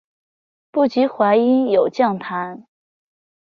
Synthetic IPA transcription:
pu˥˩t͡ɕi˧˥xwa˧˥ɪi˥njo˨˩ʊt͡ɕjɑ˥˩ŋt̪ʰa˧˥n

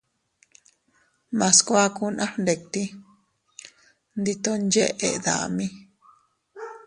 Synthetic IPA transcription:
mã˨skʷa˦ku˧nʔã˦hnd̪e˨k̚t̪i˦ | nd̪i˧t̪o˦˧nd͡ʒe˦ʔḛ˧ʔða̰˨mĩ˦

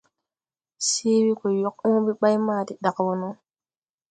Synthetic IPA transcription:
siː˦wi˦ko˨jo˦k̚õː˦bi˦ɓa˦jmaː˦˨ti˨ɗa˨kwo˨no˦

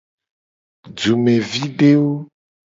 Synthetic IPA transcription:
d͡ʒu˨me˨vi˦ɖe˦wo˦

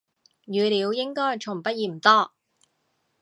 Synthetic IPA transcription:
jyː˨˧liː˨˧wjɪ˥ŋkɔː˥jt͡sʰʊ˨˩ŋpɐ˥t̚jiː˨˩m̩˨˩t̪ɔː˥

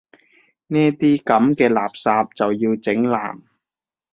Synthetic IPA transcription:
nɛː˥t̪iː˥kɐ˨˥mkɛː˧laː˨˩p̚saː˧p̚t͡sɐ˨wjiː˧wt͡sɪ˨˥ŋla̰ː˨˩m

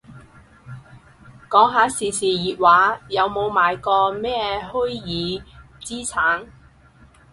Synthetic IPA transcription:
kɔː˨˥ŋɦaː˨˧˥siː˨siː˨jiː˨t̚waː˨˥jɐ˨˧wmo˨˧wmaː˨jkɔː˧mɛː˥hɵ˥jiː˨˧ | t͡siː˥t͡sʰaː˨˥ŋ

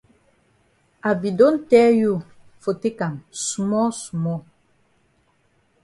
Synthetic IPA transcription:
a˨bi˨do˦n˦tɛ˦ju˦˨ | fo˨te˦ka˨nsu˨mɔ˦su˨mɔ˦˨

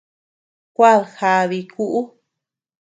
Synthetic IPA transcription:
kʷa˦˨lxa˧βi˧ku˦ʔu˦

